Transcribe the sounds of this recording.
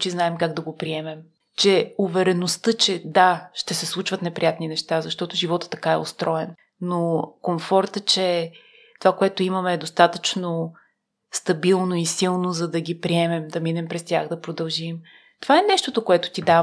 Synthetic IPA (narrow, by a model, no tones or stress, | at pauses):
t͡ʃiznaɛmkaɡd̪ɐɡopɾiɛmɛm | t͡ʃɛʊvɛɾɛnost̪ɤt͡ʃɛd̪aʃt̪ɛsɛslˠut͡ʃvət̪nɛpɾʲijat̪ninɛʃt̪azɐʃt̪ɔt̪ʊʒivɔt̪ə̥t̪ːɐ̥kaɛ̰o̰st̪ɾɔɛn | nokomfɔɾt̪ət͡ʃɛ | t̪ovakoɛt̪oimɐmɛːd̪ost̪at̪ət͡ʃno | st̪ɐbilˠnoisilˠnozɐd̪ɐɡʲipɾiɛmɛmd̪ɐminɛmpɾɛst̪ʲjaɣd̪ɐpɾod̪ɐlˠʒim | t̪ovaɛnɛʃt̪ot̪okoɛt̪ʊ̥t̪id̪a